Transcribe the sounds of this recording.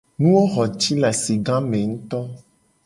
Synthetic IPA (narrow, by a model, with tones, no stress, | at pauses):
nũ˦wo˦xɔ˨t͡ʃi˦la˨si˨ɡã˦mẽ˨ŋũ˦t̪ɔ˦